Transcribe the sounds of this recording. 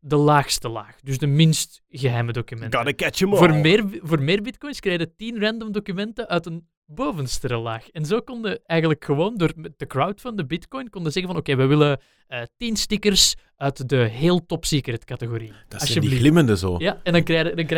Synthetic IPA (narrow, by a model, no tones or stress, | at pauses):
dəlaːxstəla̰ːxdʏsdəmɪnst | ɣəɦɛjmədokymɛnkadəkɛt͡ʃəmvoːrmmɪːrvoːrmɪːrbɪtkɔjnskreɪdətinrɛndəmdokymɛntəʔœɥtən | boːvənstəɾəla̰ːxɛnzoːkɔndəɛjɣənləkxəʋoːndoːrd̥əkrawtfɑndəbɪtkɔjnkɔndəzɛɣənvɑnokeːʋɛʋɪlə | əːtinstɪkərs | œɥtdəɦeːlˠtɔpsiːkəɾɛtkɑtəɣoɾiːd̥ɑsjədilɪməndəzo̰ːjaɛndɑnkɛdɑnkɛ